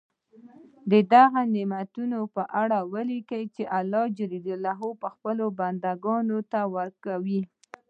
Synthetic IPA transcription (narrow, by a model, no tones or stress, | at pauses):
d̪əd̪aɣanemat̪unopəʔaɽawəlikəjt͡ʃeʔalːɑd͡ʒɪɾid̪ʊlːɑɦopəxpəloband̪aɡɑnot̪awəɾkawi